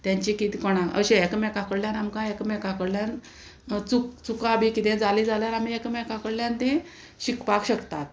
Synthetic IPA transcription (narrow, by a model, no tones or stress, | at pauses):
t̪jãɲt͡ɕikit̪ikɔɽ̃ãʔə̰ɕẽɛkmɛkakəɽljanamkãekmɛkakəɽljãn | t͡sukt͡sukãbʱikit̪ẽd͡zaliːd͡zaljaɾam̤iekmɛkakəɽljãnt̪ẽ | ɕikpakɕəkt̪at̪